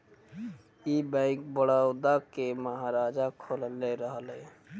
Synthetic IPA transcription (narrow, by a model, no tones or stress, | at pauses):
ibə̃ɪk̚bəɽawd̪akeməɦaɾad͡ʒakʰolleɾəɦəlɦɛ